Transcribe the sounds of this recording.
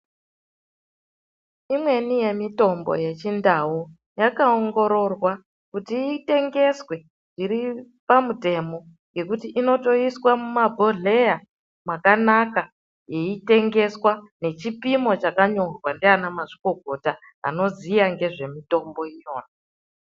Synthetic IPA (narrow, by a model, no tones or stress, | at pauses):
imwe̞nije̞mito̞mbo̞̰je̞t͡ʃindawu | jakaoŋɡo̞ɾo̞rwa | kutiːte̞ŋɡe̞swe̞ | ʐiɾi | pamute̞mo̞ | jɡe̞kutiʔino̞to̞iswamumabʱo̞ɮe̞ja | mwakanaka | je̞ite̞ŋɡe̞swane̞t͡ʃipimo̞t͡ʃakaɲo̞rwandeanamaʐiko̞ɡʱo̞ta | a̰no̞zijaŋɡe̞ʐe̞mito̞mbo̞ijo̞ːna